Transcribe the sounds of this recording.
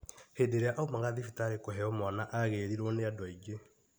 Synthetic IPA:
heːdeɾeaʔaomaɣaðifitaɾekoɦɛɔmanaʔaɣeːɾiɾoneadwaiɡe

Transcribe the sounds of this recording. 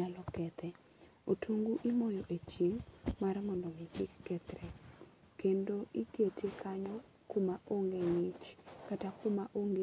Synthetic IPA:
alɔkɛt̪ʰɛ | otʰuŋɡuʔimojoʔet͡ʃiŋmarmɔndɔmɪkɪkːɛt̪ɾɛ | kendoʔiketʰekʰaɲɔ | kʊmaʔoŋɡeŋɪt͡ʃkatakʊmaʔoŋɡe

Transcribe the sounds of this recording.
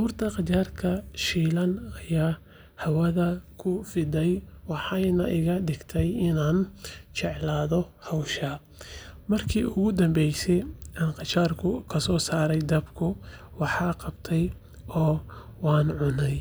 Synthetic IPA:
uːrt̪ʰɐqɑt͡ʃaːrkʰɐʃiːlɐnɐjaː | hɐwɐðɐkʰʊfɪd̪ɛjwɑħɑjnɐʔɪɣɐɖɪɡt̪ʰɛjɪnaːnt͡ʃɛʕlaːðɔhɔwʃɐ | mɐrkʰḭːʊɣʊd̪ɐmbɛjsɛjaːnqɑt͡ʃaːrkʰʊkʰɐsɔːsaːɾɛjd̪ɐbkʰʊ | wɑħɑːqɑbt̪ʰɛj | ɔː | wɑːnʕʊnɛj

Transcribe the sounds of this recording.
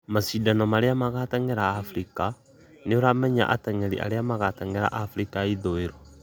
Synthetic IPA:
masidanɔmaɾeamaɣataŋɛɾaːfɾika | neoɾamɛɲa̰ʔa̰tɛŋɛɾḭʔa̰ɾeamaɣataŋeɾa̰ʔafɾikaiðoeɾo

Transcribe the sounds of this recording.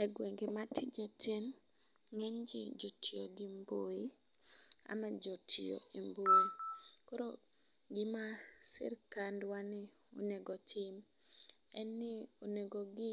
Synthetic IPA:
ɛɡweŋɡematʰɪd͡ʒetʰen | ŋɛɲd͡ʒɪd͡ʒotʰioɡimboi | a̰mad͡ʒotio̰imboikoɾo | ɡɪmasɪ̰rkandwanɪ | o̰neɡotʰɪm | ɛnːɪoneɡoɡɪ

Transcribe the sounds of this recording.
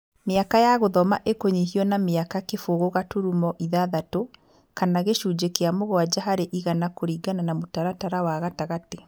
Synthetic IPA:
meakajaɣoðɔma̰ʔekoɲiɦiɔnameakakefoɣoɣatuɾumɔʔiðaðato | kanaɣeʃuːd͡ʒekeamoɣɔwad͡ʒaɦaɾeʔiɣanakoɾiːɡananamotaɾataɾawaɣataɣate

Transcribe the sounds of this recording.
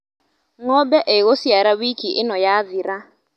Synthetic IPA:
ŋɔbɛʔeɣosiaɾawikʰiʔɪnɔjaðiɾa

